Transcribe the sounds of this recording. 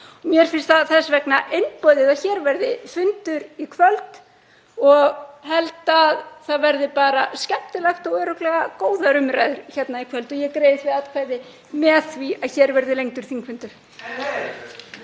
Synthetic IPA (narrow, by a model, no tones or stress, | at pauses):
ɔmjɛɾ̥fɪnst̪θaðθɛsvɛknaʔejnpɔjðɪðaçɛːɾvɛɾðɪfʏnt̪ʏɾikʰvœlt̪ | ɔɣɦɛlt̪aðθaðvɛɾðɪpaːɾascɛht̪ɪlaxt̪awœːɾʏklɛɣakoːwðaɾʏmɾajðʏɾ̥çɛt̪naikʰvœlt̪ɔjɛkɾeːjðɪθvɪðat̪kʰvaːjðɪ | mɛːθviaðçɛːɾvɛɾðɪlejŋt̪ʏɾ̥θiŋkfʏnt̪ʏ̥